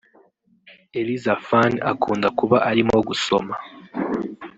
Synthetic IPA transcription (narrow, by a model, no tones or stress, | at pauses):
elizafana̰kʰuːndakuβaʔaɾimoɡuso̞̰ma